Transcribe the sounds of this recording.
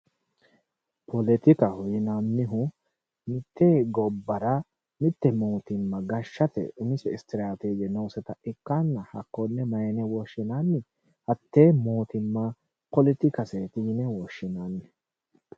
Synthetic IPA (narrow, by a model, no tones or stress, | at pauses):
pʰɔlɛt̪ɪkɐhɔjɪnamːɪɦʊ | mɪt̪ːeɡɔbːɐɾɐ | mɪt̪ːɛmoːt̪ɪmːɐɡɐʃːɐt̪ɛ̰ʊmɪsɛɪst̪ɪɾaːt̪eːd͡ʒɛnɐwsɛt̪ɐɪkːanːɐhɐkːɔnːɛmɐjɛnɛwɔʃːɪnaːnːɪ | hɐt̪ːeːmoːt̪ɪmːɐ | pɔlɪt̪ɪkɐseːt̪ɪjɪnɛwɔʃːɪnanːɛ